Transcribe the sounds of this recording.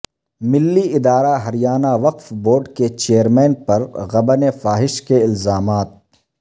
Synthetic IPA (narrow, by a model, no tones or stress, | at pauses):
mɪlːiɪd̪aːɾaɦɐɾijaːnaʋɐqfboːɾɖket͡ʃeːjəɾmɛ̃ːnpɐɾɣɐbənefaːɦɪʃkeɪlzaːmaːt̪̚